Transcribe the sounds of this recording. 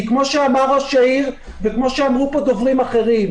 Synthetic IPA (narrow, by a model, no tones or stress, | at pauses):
kmo̞ʃeamaʁaʃaiʁ | vekmo̞ʃeamʁupo̞d̪ovʁimaχe̞ʁim